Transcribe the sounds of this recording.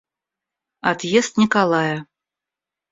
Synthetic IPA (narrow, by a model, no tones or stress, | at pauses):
at̪jest̪nʲikalˠɑjɐ